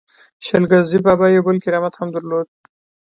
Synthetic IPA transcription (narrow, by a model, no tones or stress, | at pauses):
ʃəlɡazibɑbajawbəlkɪɾɑmat̪hamd̪əɾlod̪̚